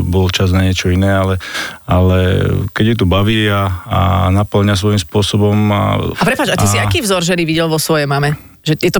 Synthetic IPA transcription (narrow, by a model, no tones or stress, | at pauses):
bɔlt͡ʃaznaɲɪɛt͡ʃɔinɛːalɛalɛkɛɟjut̪ubaʋiːaa̰napl̩ɲas̬ʋɔimspʊɔsɔbɔma̰apɾɛpaːd͡ʒat̪isiakiːvzɔɾʒɛniʋiɟɛlʋɔsʋɔjɛjmamɛ | ʒɛjɛt̪ɔ